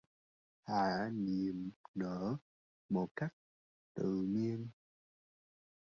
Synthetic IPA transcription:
haː˧˨ni˨˩əmnəː˧˩˦ | mo˨˩t̚ka˦˥jk̚ | t̪ɨ̰˧˨mi˧ən

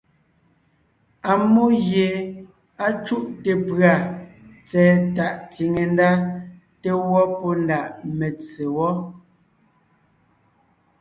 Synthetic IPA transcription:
a˨mo˦ɣje˨ | a˦t͡ʃu˦ʔte˨pɰa˨t͡sɛː˨ta˨ʔt͡si˨ŋe˨n˦da˦ | te˦wɔ˦pɔ˦nda˨ʔme˨t͡se˨wɔ˦

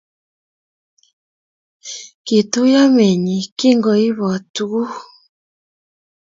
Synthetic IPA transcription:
ki˨tu˦ja˦mɛ˨ɲi˨ki˦ŋɡɔ˨i˦βɔ˨tu˨˦

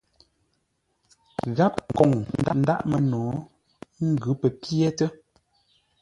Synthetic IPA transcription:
ɣa˦p̚kɔ˨ŋn̩˨˦da˦˨n̩˦da̰˦ʔmə˨nɔː˨˦ | ŋ̩˦ɡʉ˨˦pə˨pjɛ˦tə˦

